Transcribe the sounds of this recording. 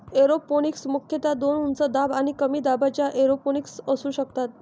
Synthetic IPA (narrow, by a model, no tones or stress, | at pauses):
eɾoponiksmukʰjət̪ad̪onunt͡səd̪abañikəmiːd̪abʱat͡ɕjaʔeɾoponiksəsuːɕəkt̪at̪̚